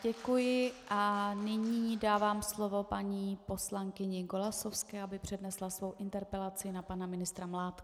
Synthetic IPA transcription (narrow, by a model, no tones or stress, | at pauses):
ɟɛkujɪʔanɪɲiːdaːvaːmslo̞vo̞paɲiːpo̞slaŋkɪɲɛɡolaso̞fskɛːʔabɪpr̝̥ɛdnɛslasvo̞wʔɪnt̪ɛɾpɛlat͡sɪnapanamɪnɪst̪ɾamlaːt̪k